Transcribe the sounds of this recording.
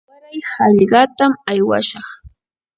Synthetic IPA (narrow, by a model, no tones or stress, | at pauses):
waɾajhɑʎɢɑt̪amajwa̰ʃɑχ